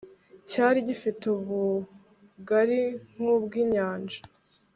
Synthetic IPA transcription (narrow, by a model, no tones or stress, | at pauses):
caːɾiɟifituβu | ɡaɾiŋ̥hubɡiːɲaːnd͡ʒḁ